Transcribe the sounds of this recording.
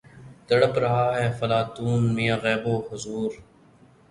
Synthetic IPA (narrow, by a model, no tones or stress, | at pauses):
d̪əɽəpɾɐɦaːɦɛːfɐlaːt̪uːnmijaɣɛːboːhʊzuːɾ